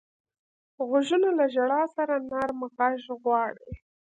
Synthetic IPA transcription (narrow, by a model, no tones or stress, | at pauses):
ɣʊʒunolaʒaɽɑsaɾanaɾmaqɑʒɣwɑɽḭ